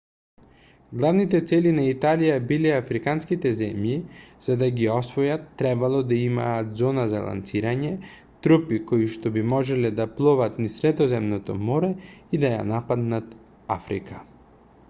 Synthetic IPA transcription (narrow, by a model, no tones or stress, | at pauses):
ɡlˠavnit̪ɛt̪sɛlinait̪alijabilɛafɾikanskit̪ɛzɛmjiz̥ad̪aɡiɔsvɔjat̪ːɾɛbalˠɔd̪aima̰ːt̪zɔnaza̰lˠa̰nt̪siɾaɲɛ | t̪ɾupikoiʃt̪ɔbimɔʒɛlɛd̪aplˠɔvat̪nisɾɛd̪ɔzɛmnɔt̪ɔmɔɾɛid̪aja̰napad̪nat̪ | a̰fɾḭka